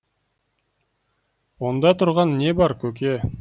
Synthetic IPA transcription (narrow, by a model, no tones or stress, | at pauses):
wond̪ɑt̪ʰʊɾʁɑnːe̞bɑɾkʲʰɵk̬ʲe